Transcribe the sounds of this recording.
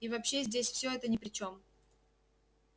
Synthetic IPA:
ivɐpɕːezʲdʲesʲfsʲoɛt̪ənʲɪpɾʲɪt͡ɕo̞m

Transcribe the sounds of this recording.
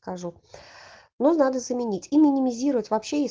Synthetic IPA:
kɐʐu | nonad̪əzəmʲɪnʲitʲimʲɪnʲɪmʲɪzʲiɾəvətʲvɐpɕːeje

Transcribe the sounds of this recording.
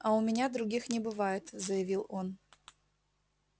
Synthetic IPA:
aʊmʲɪnʲad̪ɾʊɡʲixnʲɪbɨvajɪt̪zəjɐvʲilˠon

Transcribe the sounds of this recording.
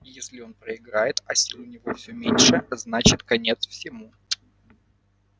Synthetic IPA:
jesʲlʲɪo̞npɾəɪɡɾajɪt̪ɐsʲilˠʊnʲɪvofsʲɵmʲenʲʂɨznat͡ɕɪt̪kɐnʲe̞t̪sfsʲɪmu

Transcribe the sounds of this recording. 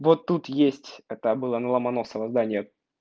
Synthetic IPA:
vo̞t̪ːut̪jesʲtʲɛt̪əbɨlˠənəlˠəmɐnosəvəzd̪anʲɪjə

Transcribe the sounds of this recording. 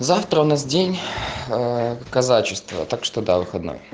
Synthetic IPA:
zaft̪ɾəʊnasdʲenʲ | kɐzat͡ɕɪst̪və̰t̪akʂt̪od̪avɨxɐd̪no̰j

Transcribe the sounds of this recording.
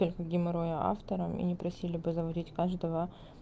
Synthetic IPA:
olʲkɐɡʲɪmɪɾojəʔa̰ft̪əɾəmḭnʲɪpɾɐsʲilʲɪbɨzəvɐdʲitʲkaʐd̪əvə

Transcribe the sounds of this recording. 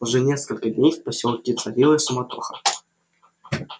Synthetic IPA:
ʊʐɛnʲeskəlʲkədʲnʲejfpɐsʲolˠkʲɪt̪sɐvʲilˠəjsʊmɐt̪oxə

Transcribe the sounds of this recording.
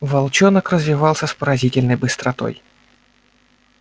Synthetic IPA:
vɐlˠt͡ɕɔnəkɾəzʲvʲɪvɑlˠsʲəspəɾɐzʲitʲɪlʲnəjbɨst̪ɾɐt̪o̰j

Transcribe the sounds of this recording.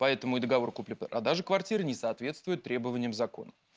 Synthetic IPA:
pɐɛt̪əmʊɪd̪əɡɐvo̞rkuplʲɪpɛ̰ɾʔɐd̪aʐɨkvɐrtʲiɾənʲɪsɐːt̪vʲe̞t̪st̪vʊjɪt̪ːɾʲe̞bəvənʲɪjəmzɐko̞̰nə

